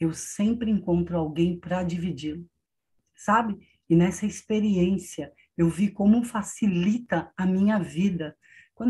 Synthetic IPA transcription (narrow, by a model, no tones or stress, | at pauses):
ewsẽmpɾɪẽŋkõnt̪ɾʊawɡẽj̃pɾɐd͡ʒivid͡ʒilʊ | sabɪ | ɪnɛsɐɪspeɾiẽsiɐ | ewvikõmʊfasilit̪ɐɐmĩɲɐvid̪ɐ | kwɐ̃